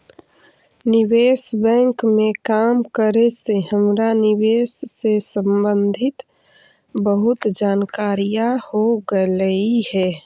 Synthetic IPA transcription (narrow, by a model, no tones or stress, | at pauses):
nɪʋeːsbɛ̃ŋkmẽkaːmkəɾesehəmɾanɪʋeːsːesə̃mbə̃nd̪ʱɪt̪ | bəɦʊt̪d͡ʒaːnkaːɾijahoɡələiɦɛː